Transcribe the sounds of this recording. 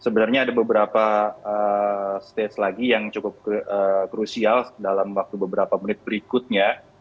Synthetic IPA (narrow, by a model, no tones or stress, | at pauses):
səbənarɲaːdabəbəɾapaəst̪etslaɡijaŋt͡ʃukʊp̚əkɾusialdalamwak̚t̪ubəbəɾapaməɾɪt̪̚bəɾikʊt̪̚ɲa